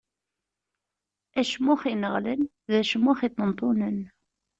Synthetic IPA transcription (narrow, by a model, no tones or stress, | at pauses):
æʃmːʊχinəʁlən | ðæʃmːʊχit̪ˤːənt̪ˤʊnən